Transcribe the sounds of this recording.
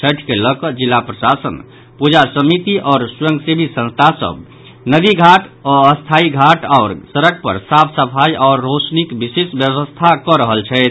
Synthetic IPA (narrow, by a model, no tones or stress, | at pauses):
t͡ʃʰəʈʰkeləkəd͡ʒilːapɾəsasə̰n | pud͡ʒasəmit̪iʔɔːɾsjə̃ŋɡsebʱisə̃nst̪ʰasə̰b | nəd̪iɡʱaʈɔəst̪ʰaiɡʱaʈaʊɾsəɾək̚pə̰ɾsapʰsəpʰaiɔʊɾːot͡ʃnikbisesbjəʋəst̪ʰakɔɾəɦəlt͡ʃʰɛt̪ʰ